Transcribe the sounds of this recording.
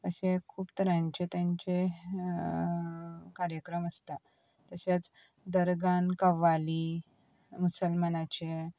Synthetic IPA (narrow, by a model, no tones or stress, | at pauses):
t̪əɕẽkʰuːpt̪əɾãɲt͡ɕet̪jãɲt͡ɕe | kaɾjəkɾəməst̪a | t̪əɕat͡s | d̪əɾɡankəʋali | musəlmanat͡ɕe